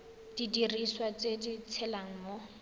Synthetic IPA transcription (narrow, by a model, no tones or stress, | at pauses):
d̥idiriswat͡sedit͡sʰɛlaŋ̩mʊ